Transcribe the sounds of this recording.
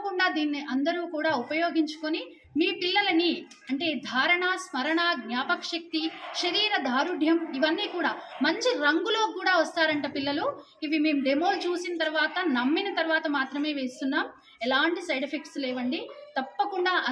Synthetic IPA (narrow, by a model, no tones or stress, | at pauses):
kuɳɖaːd̪iːnːiʔɐnd̪ɐɾuːkuːɽaːupɐjoːɡiɲt͡ʃu̥koni | miːpilːɐlɐni | ɐɳʈe̞ːd̪ʱaːɾɐɳasmɐɾɐɳaːɡɲaːpɐkʂɐk̚t̪iʃɐɾiːɾɐd̪ʱaːɾuɖʱjɐmiʋɐnːiːkuːɽaːmɐɲt͡ʃiɾɐŋɡulo̞ːkuːɽaːʋɐst̪aːɾɐɳʈɐpilːɐlu | iʋime̞ːmud̪eːmoːlut͡ʃuːsinɐt̪ɐɾʋaːt̪ɐnɐmːinɐt̪ɐɾʋaːt̪ɐmaːt̪ɾɐme̞ːʋe̞ːst̪unːaːm | ɛlaːɳʈisɐjʈipʰik̚ʈslɛːʋɐɳɖit̪ɐpːɐkuɳɖaːʔɐ